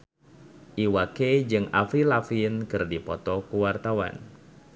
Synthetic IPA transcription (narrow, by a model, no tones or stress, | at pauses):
ʔiwaked͡ʒɨŋafɾilafinkɨrdipɔt̪ɔkuwart̪awa̰n